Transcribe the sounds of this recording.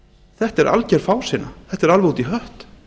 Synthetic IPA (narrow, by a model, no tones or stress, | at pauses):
θɛht̪ɛɾʔa̰lcɛɾ̥faːwsɪna̰θɛht̪ɛɾalvɛuːt̪iɦœht̪